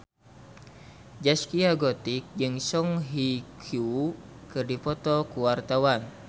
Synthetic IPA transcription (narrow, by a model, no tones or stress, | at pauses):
d͡ʒaskiaɡɔt̪ik̚d͡ʒɨŋsɔŋɦikʰukɨrdipɔt̪ɔkuwart̪awan